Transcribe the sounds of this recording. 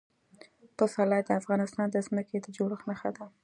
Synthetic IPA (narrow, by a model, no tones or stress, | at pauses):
pəsɑlɑd̪əafɣɑnɪst̪ɑnd̪əzməked̪əd͡ʒoɽəxnəxad̪a